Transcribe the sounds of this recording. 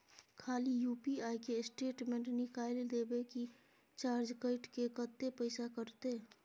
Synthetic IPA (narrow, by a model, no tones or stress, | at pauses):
kʰaːlijuːpiaːjkesʈeːʈmẽɳʈnɪkaːɪld̪eːbeki | t͡ʃaːɾd͡ʒkəɪʈkekət̪ːepəɪsakəɾt̪eː